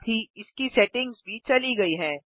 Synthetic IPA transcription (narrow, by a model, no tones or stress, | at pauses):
bʱiɪskisɛːʈɪ̃ŋɡzbʱit͡ʃɐliɡɐiɦɛ̃ː